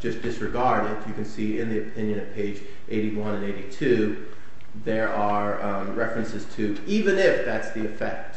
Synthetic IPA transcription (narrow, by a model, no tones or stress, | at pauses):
ʒ̥ʌsd̥ɨsɹɨɡɑɹɾɨdjɨkɨ̃n̩siɪ̃nðiɨpʰɪ̃njɨ̃nɨv̥pʰeɪd͡ʒ | ʔeɪɾiwʌ̃nɨ̃neɪɾitʰʉ | ðə˞ʔə˞ | ɹɛfɹɨ̃nsɨz̥tʰɨ | ivɨ̃nɪfðætsðiɨfɛ̰k̚t